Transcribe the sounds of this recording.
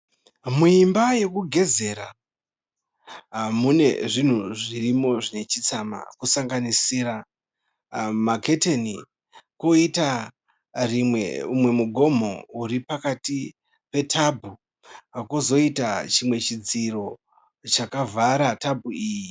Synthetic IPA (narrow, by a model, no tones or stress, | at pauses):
muimbaje̞kuɡʱe̞ze̞ɾa | ɦamune̞̰ʐin̤uʐirimo̞ʐine̞t͡ʃit͡sama̰kusaŋɡanisiɾa | makʰe̞teni | koita | rieumwe̞muɡʱo̞mo̞̰uɾipakati | pe̞tʰabʱu | akozo̞itat͡ʃimwe̞t͡ʃid͡ziro̞ | t͡ʃakavʱaɾatabʱuiːji